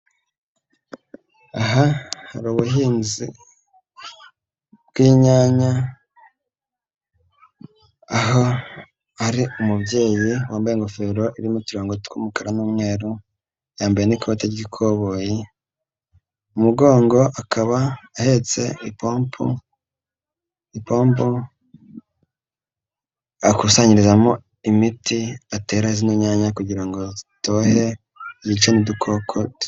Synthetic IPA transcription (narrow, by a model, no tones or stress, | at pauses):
aɦahaɾuβuɦiːnzḭ | bɡwiːɲaːɲa | aɦo̞ | aɾiumubje̞ːjiwaːmbajeŋɡofe̞ɾo̞ʔiβimutiɾoːŋɡotu̥kʰumukaɾanuːmŋe̞ːɾu | jaːmbajenikʰo̞ːteɾɟikʰoβo̞ji | umuɡo̞ːŋɡo̞ʔakʰaβaːhe̞t͡se̞ipoːmpʰṵ | ipoːmpo | akusaɲiɾizamo | imitiate̞ːɾaezinoɲaɲakuɟiɾaŋɡo̞to̞he̞ | jit͡ʃenidukʰokʰot